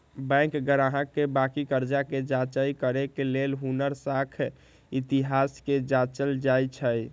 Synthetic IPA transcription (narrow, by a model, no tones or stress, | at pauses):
bɛ̃ŋkɡəɾaɦəkːebakikəɾd͡ʒaked͡ʒat͡ʃəjkəɾekelelɦunəɾsakʰ | it̪iɦasked͡ʒat͡ʃəld͡ʒajt͡ʃʰəj